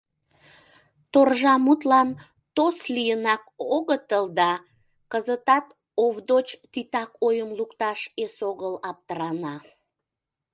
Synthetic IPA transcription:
t̪orʒɑmut̪lɑn | t̪oslijənɑkoɣət̪əld̪ɑ | kəzət̪ɑt̪ | ovd̪ot͡ɕt̪it̪ɑkojəmlukt̪ɑʃesoɣəlɑp̚t̪əɾɑnɑ

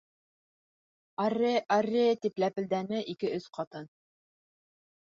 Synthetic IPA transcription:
ɑɾɘʔɑrʲɘt̪iplæpɘ̆ld̪ænɘʔikɘʔɵsqɑt̪ɤn

